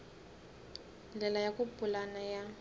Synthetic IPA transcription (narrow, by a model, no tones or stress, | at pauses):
d͡ɮɛlajakupulanaja